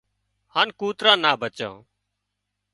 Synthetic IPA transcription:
haːnkuːt̪ɾãːnaːbət͡ʃã̰ː

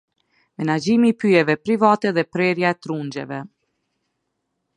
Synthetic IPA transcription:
mɛnad͡ʒimipyjɛvɛpɾivat̪ɛðɛpɾɛɾjaɛt̪ɾund͡ʒɛ̰vɛ

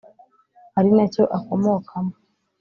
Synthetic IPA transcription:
haɾinaco̞ʔako̞mokʰamo

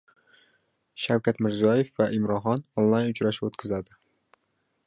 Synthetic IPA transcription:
ʃawkʲʰat̪mɪɾzijɒje̞fvaʔimɾɒχɒnonlˠajnʊt͡ʃɾaʃɪot̪kʲʰɪzad̪ɪ

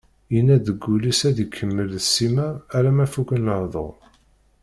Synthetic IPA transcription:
inːæðəɡːulisæðikʰːəmːəlðəsːimæːɾæmæfukənləhðˤo̰ʁ

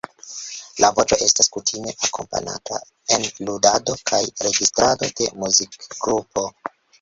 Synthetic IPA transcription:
lavo̞t͡ʃo̞ʔe̞staskutʰime̞ʔakʰo̞̰mpa̰na̰ta | e̞nludado̞kʰajɾe̞ɡistɾado̞de̞muzikɡɾupʰo̞

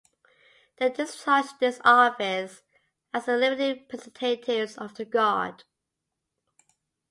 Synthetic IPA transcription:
ðeɪd͡ʒʌstʰʌt͡ʃðɪsɑˑfɪs | əzðəlɪbətipʰɹ̥ɛzntʰeɪtʰɪvzʌvðəɡɔ̰d̥

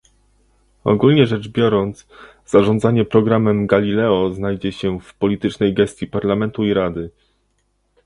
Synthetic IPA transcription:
ɔ̰ɡulɲɛʐɛd͡ʐbʲjɔɾɔnt̪s | z̥aʐɔnd̪zaɲɛpɾɔɡɾamɛmɡalʲilɛɔznajd͡ʑɛɕɛfpɔlʲit̪ɘt͡ʂnɛjɡɛst̪ʲjipaɾlamɛnt̪uiɾad̪ɘ

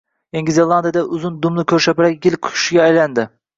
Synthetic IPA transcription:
eŋɡʲizelˠɑnd̪ijad̪aʔʊzʊnd̪ʊmlˠɪkʲʰɵɾʃapɪɾak̚ʲɡʲɪlqʰʊ̥ʊ̥ʃɪɡʲaːjland̪ɪ

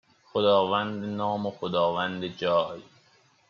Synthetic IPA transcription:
xod̪ɒːvænd̪enɒːmoxod̪ɒːvænd̪ed͡ʒɒːj

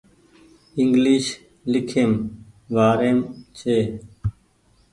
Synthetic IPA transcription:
ɪŋɡliːʃ | lɪkʰeːmʋaːɾeːmt͡ʃʰeː

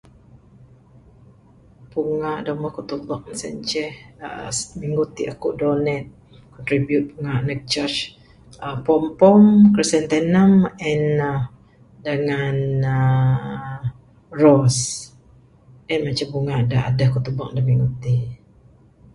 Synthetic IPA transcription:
puŋaʔdaməhkut̪ubɔk̚nsɛnt͡ʃɛhə̰smiŋɡut̪iʔakuʔdonɛt̪̚ | kɔnt̪ɾibjut̪̚puŋaʔnɛk̚t͡ʃət͡ʃ | əpɔmpɔmkɾisɛnt̪ɛnəmɛnə | dəŋanə | rɔs | ʔɛnmat͡ʃampuŋaʔdaʔa̰dəhkuʔt̪ubɔk̚dahmiŋɡut̪i

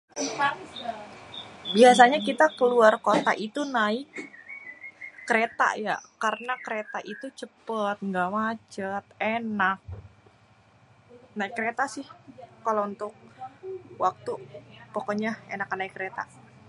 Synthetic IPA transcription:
biasaɲakit̪akəluarkot̪a̰ʔit̪unaɪk | əɾet̪a̰ja̰karnakəɾet̪aʔit̪ut͡ʃəpət̪̚ŋɡamat͡ʃət̪̚enak̚ | naɪkːəɾet̪asɪhkalount̪ʊk̚ | wak̚t̪upokoɲaenakːanaɪkːəɾet̪a̰

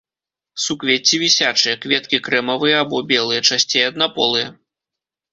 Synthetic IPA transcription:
sukvʲet͡sʲːivʲisʲat͡ʂɨjɐkvʲɛt̪̚kʲikɾɛmɐvɨjɐːbɔbʲɛlˠɨjɐt͡ʂasʲt͡sʲejɐd̪napɔlˠɨjɐ

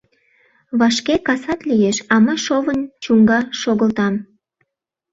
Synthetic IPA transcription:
βɑʃkekɑsɑt̪lijeʃɑməʃovənt͡ɕuŋɡɑʃoɣəlt̪ɑm

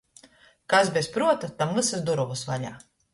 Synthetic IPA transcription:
kas̬bʲɛspɾuɔt̪at̪amvɨsasd̪uɾɔvusva̰ʎa̰ː

